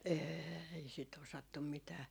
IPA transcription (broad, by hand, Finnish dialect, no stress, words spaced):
eːi sit osɑtːum mitæː